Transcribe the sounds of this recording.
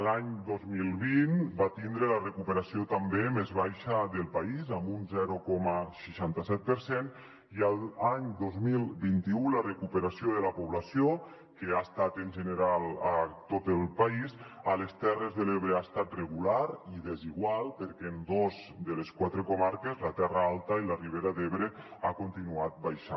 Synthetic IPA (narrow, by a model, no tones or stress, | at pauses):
laɲd̪ozmilˠβinbat̪ind̪ɾelərekupeɾasiot̪ambemezβajʃəðəlˠpaizambunzɛɾukɔməʃiʃant̪asɛt̪̚pəɾsen | iəlˠaɲd̪ozmilˠbint̪iulərekupəɾasioðəlapoβlasjo | keaest̪at̪enʲʒeneɾalat̪ot̪elˠpaizəlest̪ɛrezðeleβɾeast̪at̪reɣulaɾiðeziɣwalˠpəɾkeːnd̪ozd̪eleskwat̪ɾekomaɾkezlat̪ɛraalˠt̪ailariβ̞eɾaðeβɾeakont̪inuat̪̚bajʃa